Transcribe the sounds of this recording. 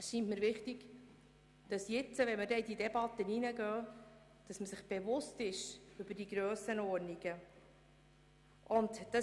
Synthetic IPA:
ʃintməɾʋɪχtiɡ | d̥ɑsjɪt͡səʋɛnmədɛididɛb̥ɑt̪əninəɡœː | d̥ɑsməsɪχb̥evʊstɪʃʏbəɾdiɡɾøːsənɔːɾniɡə | ʔʊntd̥ɑ

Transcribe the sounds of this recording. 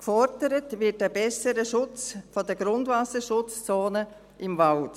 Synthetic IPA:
kfɔɾdəɾətvɪt̚dəb̥ɛsəɾəʃʊt͡sfodəɡɾʊndvasəʃʊt͡st͡soːnə | ʔɪmvalt

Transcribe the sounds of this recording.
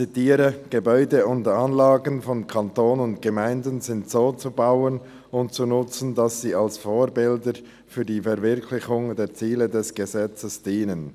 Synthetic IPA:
t͡sitiːɾəɡ̥ebɔʏdəʊntanlaːɡənfɔnkʰantoːnʊntɡ̥əmaɪndənzɪntsoːt͡subaʊən | ʊntt͡sunʊt͡sn̩dasːiːalsfoːɾbɪldəɾ | fyːɐdiːfɛʁvɪʁkʰlɪçʊŋdeːt͡siːlədɛsɡ̥əzɛt͡səsd̥iːnən

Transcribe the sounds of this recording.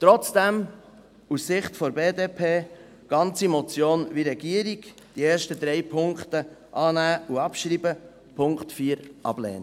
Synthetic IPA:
t̪ɾɔt͡sd̥ɛm | ussɪχtfɔɾbeːdeːpʰeː | ɡ̥ɑnt͡simɔt͡sjoːnviɾɛɡiəɾiɡ | d̥ieːɾʃtəd̪ɾɛjpʰʊŋktəʔɑːnæːuɑpʃɾiːbə | pʰʊŋktfiːəɾʔɑ̰b̥lɛ̰ːnə

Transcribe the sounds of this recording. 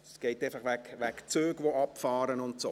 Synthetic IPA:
sɡ̥ɛɪtɛfɑχʋækʋækt͡søːɡʋoɑpfɑːɾənʊntsoː

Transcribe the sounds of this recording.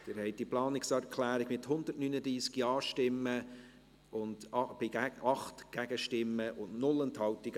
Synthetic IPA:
d̥̪ɪɾhɛɪt̚diplɑːnɪksæɾkʰlæːɾɪɡ̥mɪthʊndərtnyːnədɾiːsɡiɑːʃtɪmːə | ʊnd̥b̥ɪɡɑχtɡ̥æɡəʃtɪmːəʔʊnnʊlɛnthɑwtɪɡ

